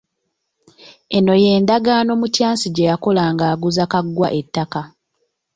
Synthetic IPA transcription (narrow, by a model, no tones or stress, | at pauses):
eno̞je̞ːndaɡaːno̞ːmutjaːnsiɟejako̞laːŋɡaːɡuzakaɡːwa̰ʔetːaka